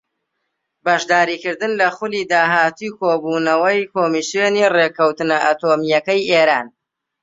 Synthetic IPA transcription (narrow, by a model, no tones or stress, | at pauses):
bɐʃd̪aːɾiːkɨɾd̪ɨnlɐχʊlid̪aːɦaːt̪ujkʰoːbuːnɐwɐjkoːmisjonirekɐwt̪ɨnɐʔaːt̪omijɐkɐjeːɾaːn